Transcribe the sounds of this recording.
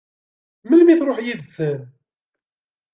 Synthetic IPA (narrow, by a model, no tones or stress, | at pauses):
məlmiθɾˤoħjiðθəɾ